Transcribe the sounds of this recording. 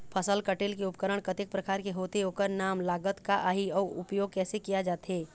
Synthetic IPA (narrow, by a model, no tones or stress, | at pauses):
pʰəsəlkəʈeːlkeʊpkəɾəɽ̃kət̪ɪk̚pɾəkaːɾkeɦoːt̪eɦoːkəɾnaːmlaːɡət̪kaʔaːɦiɔːɾʊ̰pjoːɡ̚kɛːsekijad͡ʒaːt̪ɦeː